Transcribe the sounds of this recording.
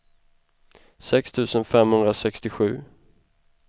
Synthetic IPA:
sɛkst̪ʰʉ̟ːsənfɛmhɵnd̪ɾasɛkst̪ɪɧʉ̟̰ː

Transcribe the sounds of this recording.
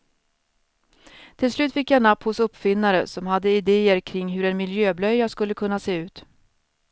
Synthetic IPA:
t̪ʰɪlslʉ̟ːt̪fɪkːjanapːhʊsɵpːfɪnːaɾə̰sɔmhad̪ːəɪd̪eːəɾkʰɾɪŋːɦɵɾɛnmɪljøːblœjːaskɵlːəkʰɵnːaseːʉ̟ːt̪

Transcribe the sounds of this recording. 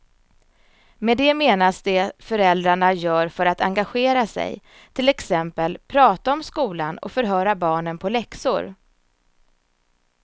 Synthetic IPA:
mɛd̪ɛmeːnasd̪ɛfœɾɛld̪ɾaɳajœːɾfœɾat̪a̰ŋɡaɧeːɾasɛ̰j | t̪ʰɪlɛksɛmpəlpʰɾɑːt̪aɔmskuːlanɔ̰fœɾɦœːɾabɑːɳənpʰɔlɛksʊ̰ɾ

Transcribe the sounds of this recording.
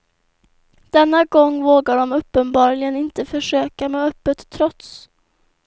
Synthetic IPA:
d̪̥ɛnːaɡɔŋːvoːɡaɖɔmɵpːənbɑːɾɭɪɡənɪnt̪əfœʂøːkameːœpːət̪ʰːɾɔt̪s

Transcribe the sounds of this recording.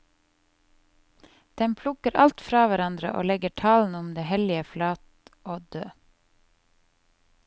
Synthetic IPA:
d̪̥ɛmpʰlʊkəɾʔɑ̰lt̪fɾɑːʋæɾɑnd̪ɾə̰ʔo̰ːlɛɡəʈʰɑln̩ʊmd̪eːhɛlɪəflɑːt̪ | ʔoːd̪øː

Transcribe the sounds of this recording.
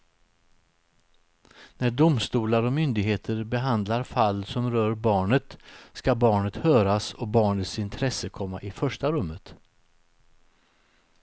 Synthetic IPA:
næɖʊmst̪uːlaɾɔmʏnd̪ɪɡɦeːt̪ʰəɾbɛɦand̪laɾfalːsɔmɾœːɾbɑːɳət̪skabɑːɳət̪hœːɾasɔbɑːɳət̪sɪnt̪ʰɾɛsəkʰɔmːa̰ʔɪfœʂʈaɾɵmːət̪

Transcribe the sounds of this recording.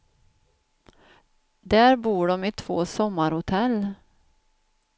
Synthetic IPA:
d̪æɾbuːɖɔmɪt̪ʰv̥oːsɔmːaɾhʊt̪ʰɛlː

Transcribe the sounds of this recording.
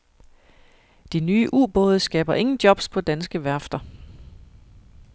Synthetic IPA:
d̥inyːəʔṵːb̥ɔ̽ːð̞ˠəsɡ̥ɛ̰ːb̥ɐʔe̝ŋn̩d̥jɒ̽b̥spʰɒ̽d̥ænsɡ̥əʋæɐfd̥ɐ

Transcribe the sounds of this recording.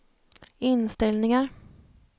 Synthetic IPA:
ɪnst̪ɛlnɪŋaɾ

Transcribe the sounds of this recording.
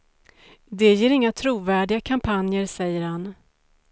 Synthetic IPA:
d̪ɛjeːɾɪŋːat̪ʰɾuːvæːɖɪɡakʰampʰanjəɾsɛjːəɾhan

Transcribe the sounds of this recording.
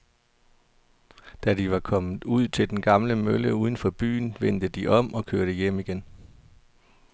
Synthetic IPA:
d̥æd̥iʋɑ̈kʰɒ̽mð̩ˠuð̞̰ˠt͡sʰe̝ld̥enɡ̥ɑ̈mləmøləuːð̞ˠən̩fɒ̽b̥y̰ːnʋen̰d̥əd̥iʔɒ̽m̰ɒ̽kʰøːɐɾ̥əjem̰iɡ̥en

